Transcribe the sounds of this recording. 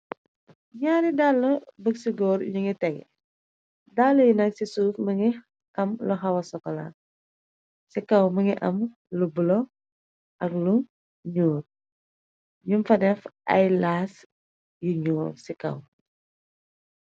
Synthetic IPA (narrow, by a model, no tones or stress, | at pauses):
ɲaːɾidaːlːɐbəksiɡɔːɾɲuŋitɛɡ̰ | daːlːɐjunɐk̚sisufməŋi | ɐmlɔɦɐwɐsɔkɔla̰ | sikɐwməŋiʔɐm | lubulɔ | ʔɐkluŋ | ɲuːr | ɲumfɐnɛfɐ̰jlaːs | juɲuːɾsikɐ̰w